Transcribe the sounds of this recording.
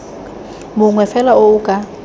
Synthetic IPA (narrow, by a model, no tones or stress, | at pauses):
mʊŋwɛfɛlaoukʼa